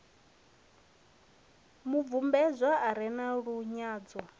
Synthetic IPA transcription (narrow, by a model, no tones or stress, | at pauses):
mub̪vumbɛzʷaʔaɾɛnaɺuɲaːd͡zɔ